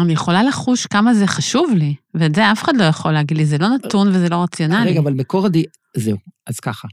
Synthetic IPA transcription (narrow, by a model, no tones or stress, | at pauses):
anijeχo̞laleχuʃkamaze̞χaʃuvliveːtzeafe̥χadlo̞jaχo̞leːɡid̪lizelo̞nat̪unvezelo̞ʁat͡sjo̞naleiɡavalmekoʁadi | zeuʔaz̥kaχa